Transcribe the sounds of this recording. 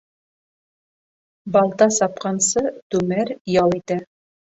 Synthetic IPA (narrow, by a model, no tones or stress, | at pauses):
bɑlˠt̪ɑsɑpqɑnsɤt̪ʉmæɾjɑlˠit̪æ